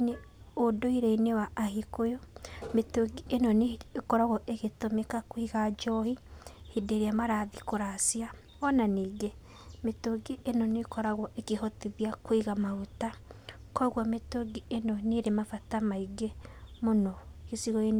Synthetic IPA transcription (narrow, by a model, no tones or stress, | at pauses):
ɲe | odoiɾeinewaːhikojɔmetoɡienɔnekɔɾaɣɔʔeɣetomekakwiɣad͡ʒɔhi | hideɾiamaɾaðikoɾasia | ɔnaniɡe | metoɡienɔnekɔɾaɣɔʔekehɔtiðjakwiɣamauta | kɔɣwametoɡienɔneɾemafatamaiɡemonɔkesiɣɔen